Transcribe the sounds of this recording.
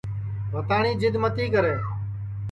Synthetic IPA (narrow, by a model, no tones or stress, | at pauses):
ʋət̪aːɳiːd͡ʒɪd̪mət̪iːkəɾeː